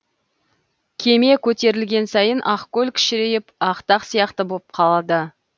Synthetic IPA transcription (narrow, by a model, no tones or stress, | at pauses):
kʲʰe̞me̞kʲʰɵt̪e̞ɾɪlɡʲe̞nsɑjənʔɑqkʲɵlkʲʰɪ̥ʃɪɾe̞jɪpɑqt̪ɑqsijɑqt̪əboəp̚qʰɑlˠɑd̪ə